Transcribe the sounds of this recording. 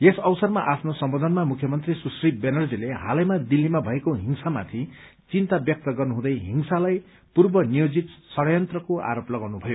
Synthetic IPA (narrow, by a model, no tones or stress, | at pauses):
esʌwsʌrmaʔapʰnosʌmbod̪ʱʌnmamukʰjʌmʌnt̪risusribenʌrd͡zileɦa̰lʌjmad̪ilːimabʱʌekoɦiŋsama̰t̪ʰi | t͡sint̪abjʌk̚t̪ʌɡʌrnuɦũd̪ʌjɦiŋsalaj | purbʌnijod͡zit̪sʌɽʌjʌnt̪rʌkoa̰ɾoplʌɡawnubʱʌjo